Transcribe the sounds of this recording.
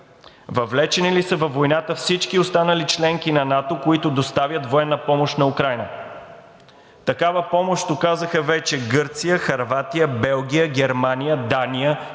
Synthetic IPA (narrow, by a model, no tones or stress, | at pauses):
vɐvlɛt͡ʃɛnilisəvɐfvːojnat̪əfsit͡ʃkiost̪anəlit͡ʃlɛŋkinɐnat̪okoit̪od̪ost̪avʲjət̪voɛnːəpɔmoʃt̪nɐukɾajnə | t̪ɐkavəpɔmoʃt̪okazəxəvɛt͡ʃɛɡɤɾt̪sijəxɐɾvat̪ijəbɛlˠɡ̟ʲijəɡʲɛɾmanijəd̪anijə